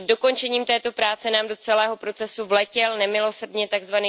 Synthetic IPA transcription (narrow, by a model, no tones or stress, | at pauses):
do̞ko̞nt͡ʃɛɲiːmt̪ɛːt̪o̞pɾaːt͡sɛnaːmdo̞t͡sɛlɛːɦo̞pɾo̞t͡sɛsuvlɛcɛlnɛmɪlo̞srdɲɛt̪aɡzvaniː